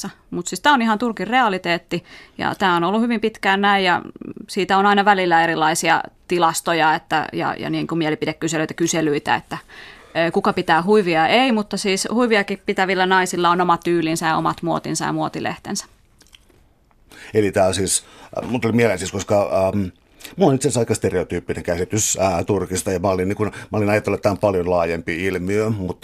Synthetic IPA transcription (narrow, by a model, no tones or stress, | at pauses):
ɑ | mut̪siːst̪æːonihɑnt̪urkirreɑlit̪eːt̪ːijɑ̰t̪æːonolːuhyʋimpit̪kæːnnæijjɑ̰siːt̪æonɑinɑʋælilːæeɾilˑːɑisiɑ̰t̪ilɑst̪ojɑet̪ːæ̰jɑ̰jɑ̰niːŋkumielipidekkyseløit̪æ̥kyselyit̪æ̰ḛt̪ːæ | kukɑpit̪æːhuiʋiɑʔeimut̪ːɑsiːshuiʋiɑkippit̪æʋilːænɑisilːɑonomɑt̪yːlinsæjɑo̰mɑt̪muo̰t̪insɑjɑ̰muot̪ilḛht̪ḛnsæ̥ | elit̪æːlsiːsmult̪ːolimielensiːskoskɑm | mulonit̪sesɑikɑst̪ereot̪yːpːineŋkæsit̪ysːt̪urkist̪ɑjɑmæoliniŋkunmæolinɑjɑt̪ːelːɑt̪ːæːmpɑljonlɑːjempiilmiømut̪ː